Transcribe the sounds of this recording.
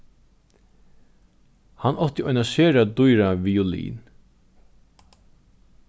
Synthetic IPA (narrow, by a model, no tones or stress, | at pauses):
hanʔɔht̪jəʔɔjnaseːɾad̪ʊjɾavijɔlḭːn